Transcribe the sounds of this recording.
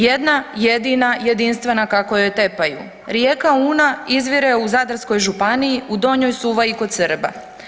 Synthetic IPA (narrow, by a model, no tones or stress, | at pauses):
jed̪najed̪inaje̞d̪inst̪ʋe̞nakakojot̪e̞pajṵ | ɾjekauːnaizʋiɾeuzad̪ɾasko̞jʒupanijiʔud̪o̞ɲo̞jsuʋaiko̞d̪səɾba̰